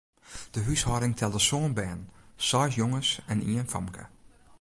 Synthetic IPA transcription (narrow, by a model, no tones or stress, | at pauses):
d̥əɦyshɔɾɪŋtʰɛlˠdəsoənbɛːnsɔjsjoŋəsɛniənfɔ̰mkʰə̰